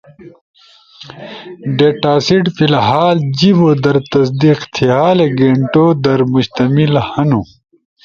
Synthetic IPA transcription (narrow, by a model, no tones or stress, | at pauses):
ɖeːʈaːsiʈfilɦaːld͡ʑibod̪ɐɾt̪ɐs̬d̪iqt̪ʰiɦaːleɡeɳʈod̪ɐɾmuɕt̪ɐmilhɐnu